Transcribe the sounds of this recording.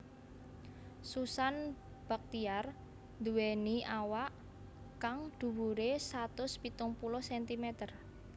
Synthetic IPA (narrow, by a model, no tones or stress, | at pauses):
susan | b̥a̤k̚t̪iar | nd̪uwɛniʔawaʔ | kaŋd̪̥ṳwuɾesat̪ʊspit̪ʊŋpulʊhsɛnt̪imɛt̪ər